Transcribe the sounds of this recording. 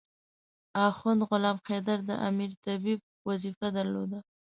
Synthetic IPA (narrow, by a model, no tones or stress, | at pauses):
ɑxʊnd̪ɣʊlɑmxed̪aɾd̪ə̰ʔa̰miɾt̪abib̚wazifad̪aɾlo̰d̪a